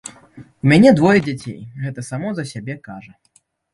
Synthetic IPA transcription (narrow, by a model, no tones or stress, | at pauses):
umʲanʲɛd̪vɔjɛd͡zʲat͡sʲḛjɣɛt̪ɐsamɔzɐsʲabʲɛkaʐɐ